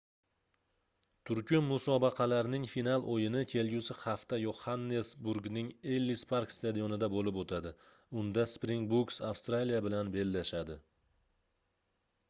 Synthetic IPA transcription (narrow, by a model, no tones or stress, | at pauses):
t̪ʰʊɾkʲʰʊmmʊsɒbɑqʰɑlaɾnɪŋfinalˠʔojɪnɪkʲʰe̞lɡʲʊsɪχaft̪ajohanːesbʊɾɡnɪŋelːispʰaɾkst̪ad̪ijonɪd̪abolɪpot̪ʰad̪ɪ | ʊnd̪aspɾiŋbuksafst̪ɾalijabɪlanbe̞lːaʃad̪ɪ